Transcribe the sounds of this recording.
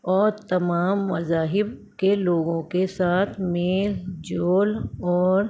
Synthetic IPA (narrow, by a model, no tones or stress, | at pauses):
ɔːɾt̪ɐmaːmːɐzaːɦɪb̚ | keloːɡõkesaːt̪ʰmeːld͡ʒoːlɔːɾ